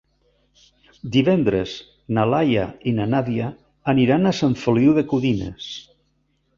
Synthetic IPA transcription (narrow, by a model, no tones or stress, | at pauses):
d̪iβɛnd̪ɾez | nalaja̰inanaðiaː | niɾanasaɱfoliwðekuðinḛs